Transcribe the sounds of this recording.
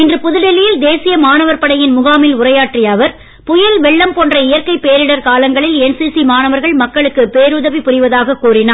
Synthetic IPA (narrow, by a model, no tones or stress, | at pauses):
ɪndrɯpʊðɯɽɛlɪjɪld̪eːsɪjɐmaːnɐʋɐɾpɐɽɐjɪnmʊɣaːmɪlʊrɐjaːʈrɪjaːʋɐɾ | pʊjɐlʋɛɭːɐmpoːndrɐɪjɐɾkɐɪpeːɾɪɽɐɾkaːlɐŋɡɐɭɪlɛnsiːsimaːnɐʋɐɾɣɐɭmɐkːɐɭɯkːɯpeːɾʊðɐʋipʊrɪʋɐðaːɣɐkːuːrɪnaː